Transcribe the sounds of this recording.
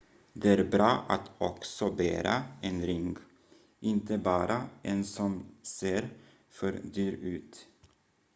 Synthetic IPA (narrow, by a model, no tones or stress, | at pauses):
d̪ɛæːɾbɾɑːʔat̪ɔksɔbæːɾa̰ʔenɾɪŋɡ | ʔɪnt̪əbɑːɾʔaʔɛnsɔmseːɾ | fœɾd̪yːɾʉ̟ːt̪